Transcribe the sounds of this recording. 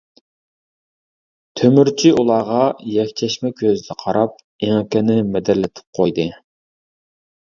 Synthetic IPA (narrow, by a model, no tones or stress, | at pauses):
t̪ʰømyɾt͡ʃʰiʔulˠɑːʁɑjɛkʲt͡ʃʰɛʃmɛkʲʰøzd̪ɛqʰɑɾɑp̚ | eŋkʲɛnɪmɛd̪ɪɾlɪt̪ʰɪ̥p̚qʰojd̪ɨ